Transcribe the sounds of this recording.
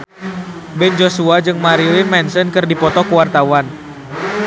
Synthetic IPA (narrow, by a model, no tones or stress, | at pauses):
bɛnd͡ʒosuad͡ʒɨŋmaɾilɪnmɛnsənkɨrdipɔt̪ɔkəwart̪awan